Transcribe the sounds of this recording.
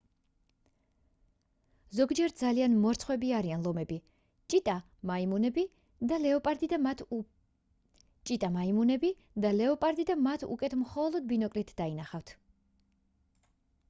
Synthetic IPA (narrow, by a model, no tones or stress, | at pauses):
zɔɡd͡ʒɛɾd̪zalianmɔɾt̪sʰχwɛbiaɾianlˠɔmɛbi | t͡ʃʼit̪ʼa | maimunɛbi | d̪alɛɔpʼaɾd̪id̪a | t͡ʃʼit̪ʼamaimunɛbi | d̪alɛɔpʼaɾd̪id̪amat̪ʰṵkʼɛt̪ʰmχɔlˠɔd̪̚binɔkʼlit̪ʰd̥̪ainaχaft̪ʰ